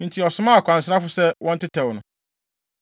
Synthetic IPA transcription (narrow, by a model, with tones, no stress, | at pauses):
n̩˨tʰi˨ɔ˨sʊ˦mã˦a˨kʷʰã˨n̩˨s̬ɾa˦fʊ˦sɛ˦wʔɔ̃˦n̩˦tʰɪ˦tʰɛ˨wnʊ̰̃˨